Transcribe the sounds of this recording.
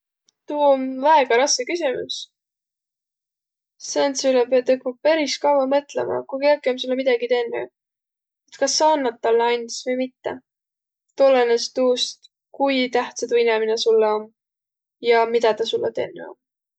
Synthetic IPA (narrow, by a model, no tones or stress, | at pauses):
t̪uːonvæeɡ̥ɑɾɑskekysʲimṵs | sent̪sylepeɑt̪ekmɑb̚pæɾiskɑwɑmɤt̪ˑlḛmɑ̰kujkekːeomsulːemid̪̥ɑɡ̥it̪enːḛ | et̪kɑsːɑonːɑt̪ːɑlːɑnʲt̪isvɤjmit̪ːḛ | t̪olenest̪uːst̪ | kujt̪æht̪sɑt̪uineminesulːeo̞n | jɑmid̪̥ɑt̪ɑsulːet̪e̞̰nːḛo̞̰m